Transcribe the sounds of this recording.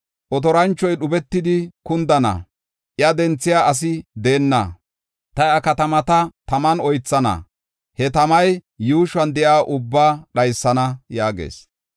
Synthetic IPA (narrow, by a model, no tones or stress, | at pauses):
ʔɔt̪ɔɾɐnt͡ʃːɔjɗʊbɛt̪ːɪd̪ɪkʊnd̪ɐnɐ̰ | ʔjɐd̪ɛnt͡sːɪjaːʔɐs̬ɪd̪e̞ːnːɐ̰ | t̪ɐjɐkɐt̪ɐmɐt̪ɐt̪ɐmɐnɔjt͡sːɐnɐ̰ | hɛt̪ɐmɐj | juːʃwɐnd̪ɛʔaːʔʊbːaːɗɐjsːɐnɐjaːɡḛːs